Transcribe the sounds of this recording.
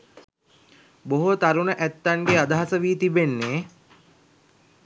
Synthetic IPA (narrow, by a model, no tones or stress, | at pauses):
boɦot̪aɾunəʔæt̪ːaŋɡead̪aɦasəʋiːt̪ibenːeː